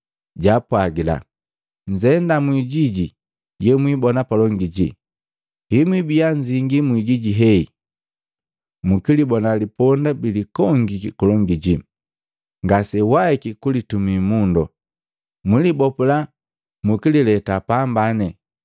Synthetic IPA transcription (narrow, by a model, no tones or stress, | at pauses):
ɟapwaɡila̰ | ɲd͡ʒɛndamwiɟiɟi | jɛmwibɔnapalɔŋɡiɟi | himwibiaɲd͡ʒiŋɡimwiɟiɟiɦɛi | mukilibɔnalipɔndabilikɔŋɡikulɔŋɡiɟi | ŋɡasɛwaɛkikulitumimundɔ | milibɔpula | mukililɛtapambanɛ